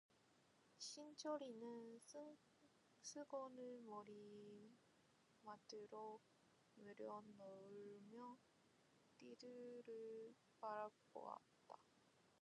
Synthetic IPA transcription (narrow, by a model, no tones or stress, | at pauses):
ɕʰint͡ɕʰoɾinɯn | sʰɯɡonɯɭmoɾi | madɯɾo | meɾjʌnʌɯmjʌ | tidɯɾɯɭ | paɾapo̰wa̰t̚t͈a